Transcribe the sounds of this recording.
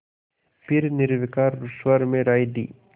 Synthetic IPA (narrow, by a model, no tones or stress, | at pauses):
pɪɾnɪɾʋɪkaːɾɾʊswəɾmẽɾaːid̪ḭː